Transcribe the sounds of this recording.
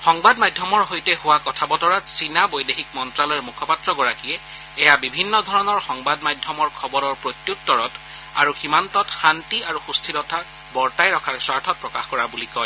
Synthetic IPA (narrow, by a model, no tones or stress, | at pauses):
xɔŋbadmajdʱjɔmɔɹɦojtɛhʊwakɔtʰabɔtɔɹatsinabojdexikmɔntɹalɔjɛɹmukʰɔpatɹɔɡɔɹakijɛ | ɛjabibʱinːɔdʱɔɹɔnɔɹxɔŋbadmajdʱjɔmɔɹkʰɔbɔɹɔɹpɹotjuttːɔɹɔt | a̰ɹuximantɔtxantiaɹuxustʰiɾɔtʰa | bɔɹtajɹɔkʰaɹswaɹtʰɔt̚pɹɔkaxkɔɹabulikɔj